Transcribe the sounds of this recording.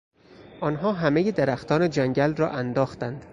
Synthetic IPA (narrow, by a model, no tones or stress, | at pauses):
ʔɒːnɦɒːɦæmejed̪eɾæxt̪ɒːned͡ʒæŋɟælrɒːʔænd̪ɒːxt̪ænd̪̥